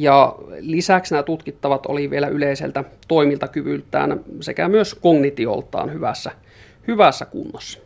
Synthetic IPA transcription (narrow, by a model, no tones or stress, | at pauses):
jɑlisæksnæt̪ut̪kit̪ːɑʋɑt̪o̰liʋielæʔyleisḛlt̪æt̪oˑimilt̪ɑkyʋylt̪ˑæ̰ːnsekæmyøskoŋnit̪io̰lt̪ˑɑ̰ːnhyʋæsːæ | hyʋæsːækṵnːɑsːɑ̥